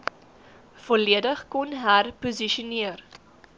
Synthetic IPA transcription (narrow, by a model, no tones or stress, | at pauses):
fɔliədəχkɔnɦærpuziʃuniər